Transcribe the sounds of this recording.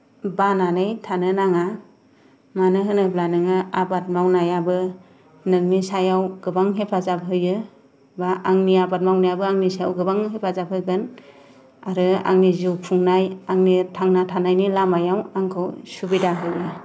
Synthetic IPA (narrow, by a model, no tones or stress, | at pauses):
bananɯjtʰanɯnaŋa | manɯɦɯnɯblanɯŋɯabat̚mawnajabɯ | nɯŋnisajawɡɯbaŋɦepʰazap̚ɦɯjɯ | baaŋniabat̚mawnajabɯaŋnisaja̰wɡɯbaŋɦepʰazap̚hɯɡɯn | aɾɯa̰ŋnizɯwpʰuŋnajaŋnitʰaŋnatʰanajnilamajawaŋkʰɯwsubidaɦɯjɯ